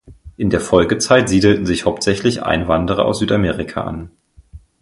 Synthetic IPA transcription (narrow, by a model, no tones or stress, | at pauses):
ʔɪndeːɐfɔlɡət͡saɪtz̥iːdl̩tn̩zɪçhaʊp̚tz̥ɛçlɪçʔa̰ɪnvandəʁɐʔa̰ʊszyːtameːʁɪkʰa̰ʔa̰n